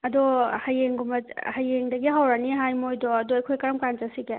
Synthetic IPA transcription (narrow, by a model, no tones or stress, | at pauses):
ɐdɔhajeŋɡumɐhajeŋdɐɡiɦawɾaniɦajmojdɔɐdɔɐjkʰojkɐɾɐmkant͡ʃasike